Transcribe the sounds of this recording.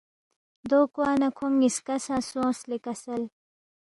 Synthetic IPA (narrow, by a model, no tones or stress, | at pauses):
d̪oːkwaːnɐkʰomiskɐsasõːslikɐsɐl